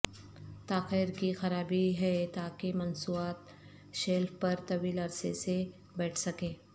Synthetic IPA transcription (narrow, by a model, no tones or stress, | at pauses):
t̪aːqeɾkixɐɾaːbiɦɛt̪aːkemɐnsuːaːt̪ | ʃeːlfpɐɾt̪ɐʋiːlɐɾsḛse | bɛːʈʰsɐkẽː